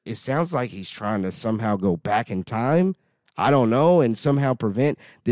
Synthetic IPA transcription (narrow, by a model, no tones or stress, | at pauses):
ɨtsãʊ̃ndzlaɪkhiz̥tʰɹ̥aɪɪ̃ŋtʰɨsʌ̃mɦaʊɡoʊbækɨ̃ntʰãɪ̃m | ʔaɪɾõʊ̃nːoʊɨ̃nsʌ̃mɦaʊpʰɹ̥ɨvɛ̃n̚ðɨ